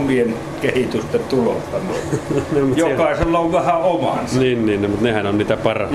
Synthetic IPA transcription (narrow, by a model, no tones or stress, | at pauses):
mien | kehit̪yst̪et̪t̪ulo̰t̪ːɑmiemj̪okɑˑeselːɑoʋʋæhæomɑ̰nniːnniːnnemut̪nehænonniːt̪æpɑrɑ